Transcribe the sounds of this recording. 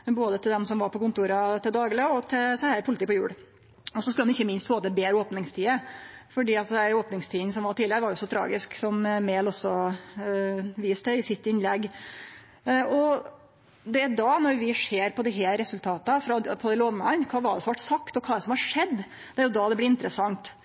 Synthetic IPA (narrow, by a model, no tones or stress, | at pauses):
boːd̪ət̪ʰɪld̪ɛmsɔmʋɑɾpʰɔkʊnt̪uːɾɑt̪ɪld̪ɑːɡleɡɔt̪ʰɪlsæhæpʰʊlɪt̪iːpɔjʉ̰ːɽ | ɔsɔskʉlhɑnɪçːəmɪnst̪foːt̪əbeːɾəoːpnɪŋst̪ʰiːəfɔɖiːɑt̪̚d̪æɾoːpnɪŋst̪ʰiːns̬ɔmʋɑʈʰiːlɪəɾʋɑɾjʊɔsːɔt̪ʰɾɑ̰ːɡɪsksɔmmeːlɔsɔ | ʋiːst̪əɪsɪt̪ːɪnlɛɡː | ɔ | d̪ɛd̪ɑnɔɾʋɪʂeːɾpʰɔd̪ɪɦeːɾːɛsʉlt̪ʰɑːt̪əfɾɑpʰɔd̪ɛɪloːʋnəɑnkʰɑːʋɑɖɛsɔmɑʈːsɑkt̪ɔkʰɑːɛd̪ɛsɔmhɑʂɛd̪ː | d̪ɛæɾjʊd̪ɑd̪ɛblɪɪnt̪əɾəsɑŋt̪